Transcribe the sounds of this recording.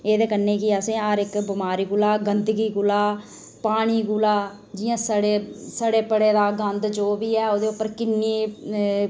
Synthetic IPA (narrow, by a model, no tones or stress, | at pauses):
eːd̪eːkənːeːkɪəsẽːaːɾɪkbɪmaːɾiːɡʊlaːɡənd̪ɡiːɡʊlaː | paːɽ̃iːɡʊlaː | d͡ʒɪjãːsəɽeːsəɽeːpəɽeːd̪aːɡə̃nd̪d͡ʒoːbiːɛːoːd̪eːʊpːəɾkɪnːiː